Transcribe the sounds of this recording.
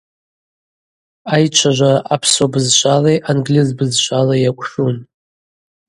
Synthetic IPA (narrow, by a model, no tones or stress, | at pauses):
ajt͡ʃʷʰaʒʷaʔapʰsobɨzʃʷʰʼalejʔanɡlizbɨzʃʷʰʼalajakʷʼʂun